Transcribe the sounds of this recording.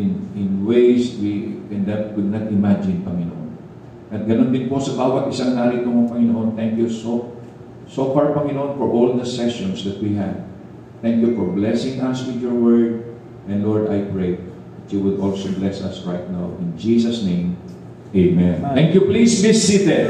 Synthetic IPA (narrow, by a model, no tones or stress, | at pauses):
nɪ̃nwejswiɛ̃nd̪ɐt̪̚kʊd̪̚nɐt̪ʔɪmad͡ʒɪ̃npɐŋɪno̰ʔo̰n | ʔɐt̪̚ɡɐnond̪ɪnposɐbaːwɐt̪ʔɪsaŋaːɾɪt̪oŋɐpɐŋɪnoʔont̪ɛŋkjuso | sofaɹpɐŋɪnoʔõnfɔɹʔold̪ɐsɛʃɔ̃nsd̪ɐt̪̚wiɦɛd̪ | t̪ɛ̃ŋkjufɔɹblɛsɪ̃ŋɐswɪd̪jɔɹwɛɹd̪̚ | ʔɛ̃nd̪lɔɹd̪ajpɹej | d̪ɐt̪juwʊd̪ʔolsoblɛsɐsɹajt̪̚nawʔɪ̃nd͡ʒisɐsnẽj̃m | ʔejmɛ̃nt̪ɛ̃ŋkjuplismɪsit̪ɛ